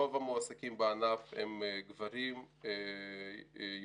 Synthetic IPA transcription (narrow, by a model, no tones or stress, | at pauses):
ovamoasakimbeanafḛmɡvaɾim | e